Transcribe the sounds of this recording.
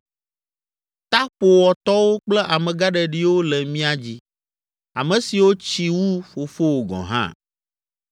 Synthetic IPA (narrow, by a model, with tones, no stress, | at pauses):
t̪a˦po˨wɔ˨t̪ɔ˦wo˦k͡plɛ˦ʔa˨mɛ̃˨ɡa˦ɖɛ˨ɖi˦wo˦lɛ˨mĩ˦a˦d͡ʑi˦ | a̰˨mɛ̃˨si˨wo˦t͡ɕi˨wu˦ɸo˨fo˦wo˨ɡɔ̰̃˨ɦã̰˦